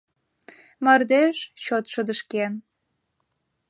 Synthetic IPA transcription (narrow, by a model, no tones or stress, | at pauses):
mɑrd̪eʃt͡ɕot̪ʃə̆d̪əʃken